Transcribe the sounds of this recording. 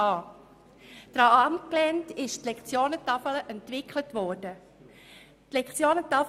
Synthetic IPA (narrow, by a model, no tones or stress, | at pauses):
ɑː | d̥ɾɑɑmt̚klɛntɪʃtlɛkt͡sjoːnətɑfələʔɛntʋɪkʰlətʋɔːɾdə | tlɛkt͡sjoːnətɑf